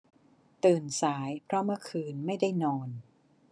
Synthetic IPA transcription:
t̪ɯː˨˩nsaː˩˦jpʰɾɔ˦˥mɯ˥˩kʰɯː˧nma˥˩jda˥˩jnɔː˧n

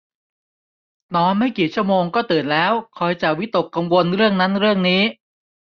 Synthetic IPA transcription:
nɔː˦˥nma˥˩jkiː˨˩t͡ɕʰu˥˩əmoː˧ŋkɔː˥˩t̪ɯː˨˩nlɛː˦˥wkʰɔː˧jt͡ɕa˨˩wi˦˥t̪o˨˩kːa˧ŋwo˧nɾɯ˥˩əŋna˦˥nɾɯ˥˩əŋniː˦˥

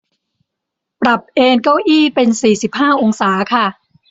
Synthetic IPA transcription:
pɾa˨˩p̚ʔeː˧nka˥˩wʔiː˥˩pe˧nsiː˨˩si˨˩p̚haː˥˩ʔo˧ŋsaː˩˦kʰa˥˩

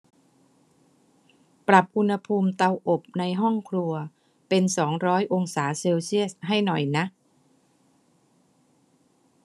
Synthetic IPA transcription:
pɾa˨˩p̚ʔu˧nha˧pʰuː˧mt̪a˧wʔo˨˩p̚na˧jɦɔ˥˩ŋkʰlu˧ɐ | pe˧nsɔː˩˦ŋɾɔː˦˥jʔo˧ŋsaː˩˦seː˧wsi˥˩əs̚ɦa˥˩jnɔ˨˩jna˦˥ʔ

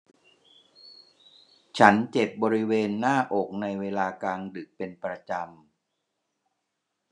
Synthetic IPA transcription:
t͡ɕʰa˦˥nt͡ɕe˨˩p̚bɔː˧ɾi˦˥weː˧nːaː˥˩ʔo˨˩k̚na˧jweː˧laː˧kaː˧ŋdɯ˨˩k̚pe˧npɾa˧t͡ɕa˧m

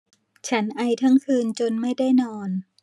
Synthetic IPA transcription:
t͡ɕʰa˦˥nʔa˧jt̪ʰa˥˩ŋkʰɯː˧nt͡ɕo˧nma˥˩jda˥˩jnɔː˧n

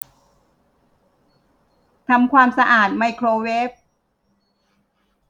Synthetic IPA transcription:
t̪ʰa˧mkʰwaː˧msa˧ʔaː˨˩t̪̚ma˧jkʰɾoː˧we˦˥p̚

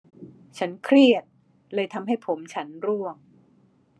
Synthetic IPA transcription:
t͡ɕʰa˦˥nkʰɾi˥˩ət̪̚ | lɤː˧jt̪ʰa˧mɦa˥˩jpʰo˩˦mt͡ɕʰa˦˥nɾu˥˩əŋ

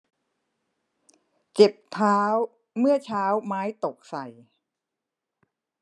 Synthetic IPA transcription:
ke˨˩p̚t̪ʰaː˦˥w | mɯ˥˩ət͡ɕʰaː˦˥wmaː˦˥jt̪o˨˩k̚sa˨˩j

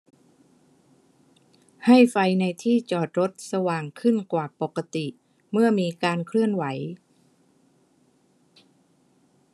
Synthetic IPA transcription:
ha˥˩jfa˧jna˧jt̪ʰiː˥˩t͡ɕɔː˨˩t̪̚ɾo˦˥t̪̚sa˧waː˨˩ŋkʰɯ˥˩nkwaː˨˩po˨˩kːa˧t̪i˨˩ | mɯ˥˩ɐmiː˧kaː˧nkʰɾɯ˥˩ənwa˩˦j

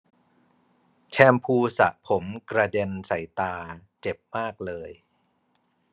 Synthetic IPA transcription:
t͡ɕʰɛː˧mpʰuː˧sa̰˨˩ʔpʰo˩˦mkɾa˧de˧nsa˩˦jt̪aː˧t͡ɕe˨˩p̚maː˥˩k̚lɤː˧j

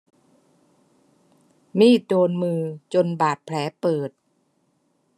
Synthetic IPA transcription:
miː˥˩doː˧nmɯː˧t͡ɕo˧nbaː˨˩t̪̚pʰlɛː˩˦pɤː˨˩t̪̚

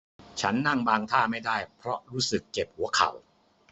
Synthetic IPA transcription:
t͡ɕʰa˦˥nːa˥˩ŋbaː˧ŋt̪ʰaː˥˩ma˥˩jdaː˥˩jpʰɾɔ˦˥ʔɾuː˦˥sɯ˨˩kːe˨˩p̚hu˩˦ɐkʰa̰˨˩w

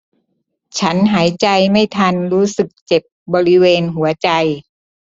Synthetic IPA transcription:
t͡ɕʰa˦˥nɦaː˩˦jt͡ɕa˧jma˥˩jt̪ʰa˧nɾuː˦˥sɯ˨˩k̚t͡ɕe˨˩p̚bɔː˧ɾi˦˥weː˧nɦu˩˦ɐt͡ɕa˧j

